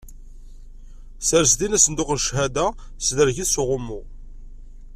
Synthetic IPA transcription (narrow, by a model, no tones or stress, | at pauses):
səɾsd̪inæsənd̪ʊqnʃhæd̪æ | sðəɾʝiθsʊʁʊmːʊ